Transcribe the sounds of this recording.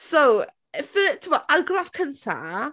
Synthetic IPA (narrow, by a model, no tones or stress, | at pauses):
sow | fətʰəbɔaɡrafkʰəntʰa̰